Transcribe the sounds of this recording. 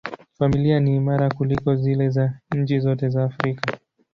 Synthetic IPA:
familianiːmaɾakulikɔzilɛzaɲ̩t͡ʃizɔtɛzaːfɾika

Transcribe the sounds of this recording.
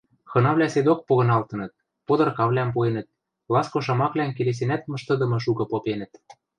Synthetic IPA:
xɤ̆nɑβlʲæsed̪ok̚poɣɤ̆nɑlt̪ɤ̆nɤ̆t̪̚ | pod̪ɤ̆rkɑβlʲæmpoenə̆t̪̚ | lɑskoʃ̬ɑmɑklænkeles̬enæt̪mɤ̆ʃt̪ɤ̆d̪ɤ̆mɤ̆ʃ̬ukɤ̆popenə̆t̪

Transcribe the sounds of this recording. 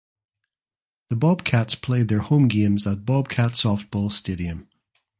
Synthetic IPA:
ðəbɔb̥̚kʰatspʰl̥ed̪̚ðə˞hõmɡẽmzət̚b̥ɔb̥̚kʰatsɔft̚b̥ɔlˠsteɾiə̃m

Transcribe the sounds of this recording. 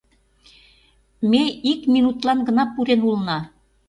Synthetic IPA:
meikminut̪lɑnɡə̆nɑpːuɾenulnɑ

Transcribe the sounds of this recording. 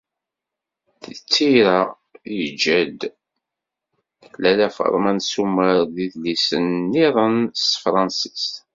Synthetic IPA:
θət͡sːiɾa | jəd͡ʒæd̪ | lælæfə̰ɾˤmænsumːəɾðiðlisənːiɾˤənsfɾˤɑnsi̥st̪

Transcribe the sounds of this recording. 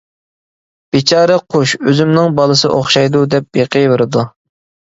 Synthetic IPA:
b̥et͡ʃʰɑːɾɛqʰoʃøzymnɪŋbɑlˠɨsɨ̰ʔoχʃɑjd̪ud̪ɛp̚beqʰəjveɾɨd̪u

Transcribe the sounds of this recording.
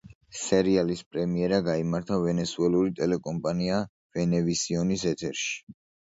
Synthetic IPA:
sɛɾialispʼɾɛmiɛɾaɡaimaɾt̪ʰavɛnɛsuɛlˠuɾit̪ʼɛlɛkʼɔmpʼania | vɛnɛvisiɔnisɛt̪ʰɛɾʃi̥

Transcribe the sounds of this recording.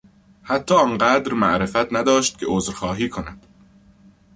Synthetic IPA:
hæt̪ʰːɒːɒːnɢæːd̪ɾmæ̰ʔɾe̞fæt̪ʰnæd̪ɒːʃt̪̚cʲʰeozɾxɒːɦiːkʰonæd̪̥

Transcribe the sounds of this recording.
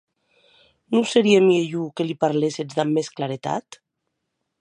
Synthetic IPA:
nuseɾiemieʎukelipaɾlesezd̪amːesklaɾet̪a̰t̪

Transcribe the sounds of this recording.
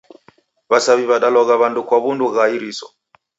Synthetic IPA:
βasaβiβaɗalɔɣaβandukwaβunduɣaiɾisɔ̰

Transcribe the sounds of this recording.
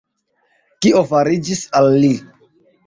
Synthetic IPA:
kiofaɾid͡ʒisalːi

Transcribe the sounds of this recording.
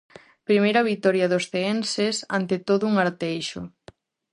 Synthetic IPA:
pɾimejɾɐβit̪ɔɾjɐðosθeensesa̰nt̪et̪oðʊuŋaɾt̪ejʃʊ̰

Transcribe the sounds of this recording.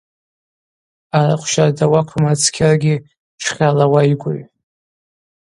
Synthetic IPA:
aɾaqʷʰʃardawakʷʰmat͡sʰkʲʰarɡʲi | ʈ͡ʂʰχʲalawajɡʷʊɥ

